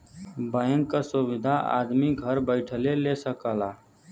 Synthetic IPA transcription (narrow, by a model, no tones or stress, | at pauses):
baːjə̃ŋkasʊʋɪd̪ʱaa̰ːd̪miɡʱəɾbəɪʈʰəlelesəkaːlaː